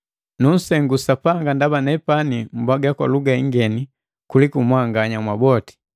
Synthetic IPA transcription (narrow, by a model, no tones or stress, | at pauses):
nun̩sɛŋɡusapaŋɡandabanɛpanim̩bwaɡakwa̰luɡaiŋɡɛni | kulikumwaŋɡaɲamwabɔti̥